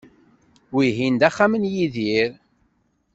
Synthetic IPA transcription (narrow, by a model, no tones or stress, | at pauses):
wiɦind̪æχːamənjiðiɾ